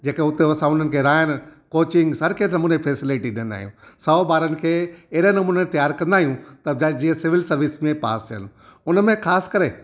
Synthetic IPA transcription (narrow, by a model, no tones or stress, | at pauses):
d͡ʑeːkẽʊt̪eɐsãʊn̤ənɪ̆kʰeɾaːjənɪ̆koːt͡ɕɪ̃ŋɡsɐɾkeʈnɐmuːnepʰeːsɪlɪʈiɗɪə̃nd̪a̰ːɦijũsɔːbaːɾənɪ̆kʰeːɐɦɾenɐmuːnet̪ɐjaːɾkɐ̃nd̪aːɦijũt̪ɐd͡ʑad͡ʑiːə̃sɪʋɪlsɐɾʋɪsmẽpa̰ːsjə̰nʊnəmẽxaːskɐɾe